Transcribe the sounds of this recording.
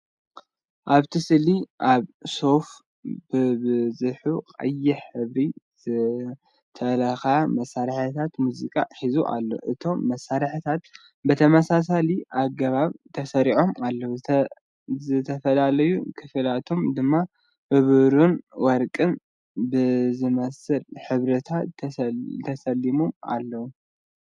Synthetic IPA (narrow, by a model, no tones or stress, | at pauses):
ʔaβt̪ʰɨsɨliʔaβso̞f | bɨbɨzɨħuqʼɐ̰jːɪħɨβɾizɨ | t̪ʰɐlɐxaamɐsːaɾħt̪ʰat̪muzikʼa̰ħizuʔa̰lːo̞̰ʔɨt̪ʰo̞mːɐsːaɾħɨt̪ʰat̪ | bɨt̪ʰɐmɐsas̬aliʔaɡɐβaβt̪ʰɐsɐɾiʕo̞malːɐw | zɨt̪ʰɐfɐlalɐjukʰɨfɨlat̪ʰomd̪ɨmːa | ʔɨβɾunwɔɾkʼɨn | bɨzɨmɐsɨlħɨβɾɐt̪ʰat̪ːt̪ʰɐsɐlːimuma̰lːɐwu